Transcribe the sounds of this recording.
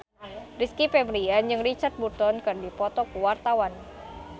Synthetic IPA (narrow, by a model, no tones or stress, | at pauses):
riskipɛbɾiand͡ʒɨŋrit͡ʃart̪̚but̪ɔnkɨrdipɔt̪ɔkuwart̪awan